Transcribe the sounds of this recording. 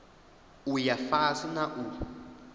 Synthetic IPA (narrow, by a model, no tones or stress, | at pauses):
ujafasunaʔu